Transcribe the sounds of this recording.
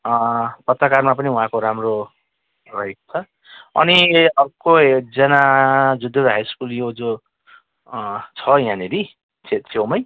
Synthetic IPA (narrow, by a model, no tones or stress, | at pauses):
pʌt̪rʌkarmapʌniũɦãkoɾamro | rʌɦeko̥t͡sʰʌ | ʌ̰niʌbkoed͡zʌnad͡zud̪ʱoɾɦajskuljod͡zo | t͡sʰʌjãneɾi | t͡sʰet̪̚t͡sʰewmʌj